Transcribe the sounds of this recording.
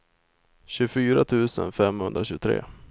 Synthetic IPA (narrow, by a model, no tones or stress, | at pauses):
ɕɵfyːɾat̪ʰʉ̟ːsənfɛmhɵnd̪ɾaɕʉːt̪ʰɾḛː